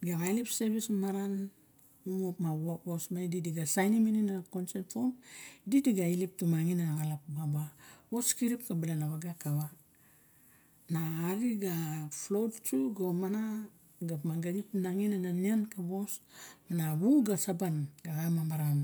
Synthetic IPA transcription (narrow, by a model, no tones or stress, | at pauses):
ɡaɣajlipseβismaɾan | umopmaβoβo̞smaididiɡasajnimininakonsentfondidiɡailip̚tumaŋinanaɣalap̚babaβo̞skiɾip̚kabalenaβaɡakaβa | naːɾiɡaflowdt͡ʃuɡomana | ɡapmaɡaɡipnaŋinananiankaβo̞smanaβuɡasabanɡaɣamambaɾam